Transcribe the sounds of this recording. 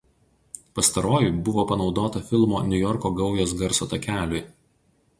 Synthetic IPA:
pɐst̪ɐɾoːjʊˑbʊʋoːpɐnɒʊd̪oːt̪ɐfʲɪlˠmoːnʲʊjɔɾkoːɡɒʊjoːsɡɐɾsot̪ɐkʲæːlʲʊj

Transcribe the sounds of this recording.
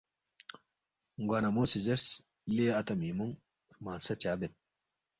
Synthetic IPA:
ŋɡwaːnɐmoːsizɐɾs | leːɐt̪ɐmiːmuŋ | maːnsɐt͡ɕaːbet̪̚

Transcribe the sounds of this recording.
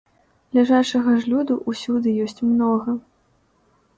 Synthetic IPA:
lʲaʐat͡ʂɐɣɐʐlʲud̪uʔusʲud̪ɨjɔsʲt͡sʲmnɔɣɐ

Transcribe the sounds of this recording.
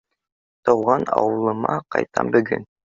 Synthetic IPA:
t̪ɤ̆wʁɑnɑ̰wɤ̆lˠɤ̆mɑqɑjt̪ʰɑ̰mbɵ̆ɡɘ̰n

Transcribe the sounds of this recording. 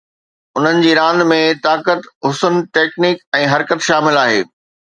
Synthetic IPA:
ʊn̤ənɪ̆d͡ʑiːɾãːn̆d̪mẽt̪aːkət̪ɦʊsənʈeːkniːkɛ̃ːɦɐɾkət̪ʃaːmɪlaːɦeː

